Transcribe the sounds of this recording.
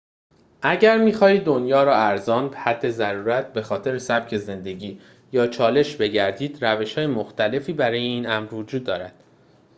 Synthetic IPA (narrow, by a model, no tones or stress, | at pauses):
ʔæɟæɾmiːxɒːhiːd̪o̞njɒːɾɒːæɾzɒːnbhæd̪ːe̞zæɾuːɾæt̪̚ʰbe̞xɒːt̪ʰe̞ɾesæb̥cʰe̞ze̞nd̪e̞ɟiː | jɒːt͡ʃʰɒːle̞ʃbe̞ɟæɾd̪iːd̪̥ɾæve̞ʃhɒːjemoxt̪æle̞fiːbæɾɒːjeiːnæmɾvo̞d͡ʒuːd̪ːɒːɾæd̪̥